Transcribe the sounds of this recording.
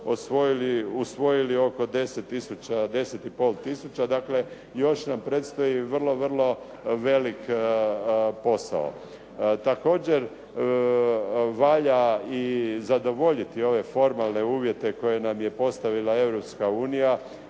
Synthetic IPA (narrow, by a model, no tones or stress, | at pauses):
osʋojiliusʋo̞jilio̞ko̞d̪e̞set̪ːisut͡ɕad̪e̞set̪ipo̞ːlˠt̪isut͡ɕad̪akle̞ | jo̞ʃnampɾet̪st̪ojiʋr̩lˠo̞ʋr̩lˠo̞ | ʋe̞lik | po̞sa̰o̰ | t̪ako̞ːd͡ʑe̞ɾ | ʋaːʎaizad̪o̞ʋo̞ʎit̪io̞ʋe̞fo̞ɾmalˠne̞uːʋje̞t̪e̞ko̞je̞namje̞po̞st̪aʋilae̞ʋɾopskauːnija